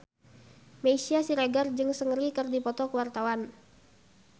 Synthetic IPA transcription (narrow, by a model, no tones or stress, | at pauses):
meisiasiɾaɡard͡ʒɨŋsəŋɾikərdipɔt̪ɔkəwart̪awan